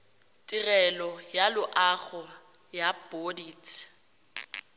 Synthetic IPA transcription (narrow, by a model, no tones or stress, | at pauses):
tʼirɛlɔjalʊʔaɣɔjab̥odiːtʰ